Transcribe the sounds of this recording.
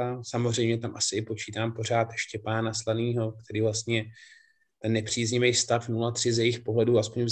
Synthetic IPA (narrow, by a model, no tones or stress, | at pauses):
asamozrɛjmɲɛt̪amʔasɪɪpo̞t͡ʃiːt̪aːmpo̞r̝aːt̪jɛʃcɛpaːnaslaniːɦo̞k̚t̪ɛɾiːvlast̪ɲɛ | t̪ɛnːɛpr̝̥iːzɲɪvɛjst̪afnulat̪r̝̥ɪzjɛjɪxpo̞ɦlɛduːaspo̞ɲvz